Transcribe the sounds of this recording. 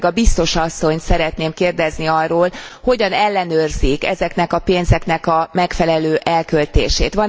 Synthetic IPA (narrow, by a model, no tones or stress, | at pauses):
ɡɒbist̪o̞ʃɒsːo̞ɲt̪sɛɾɛt̪neːmkeːrd̪ɛzniɒrːoːlho̞ɟɒnɛlːɛnøːrzikɛ̰zɛknɛkɒpeːnzɛknɛkɒmɛkfɛlɛløːʔɛlkølt̪ḛːʃeːt̪ʋɒ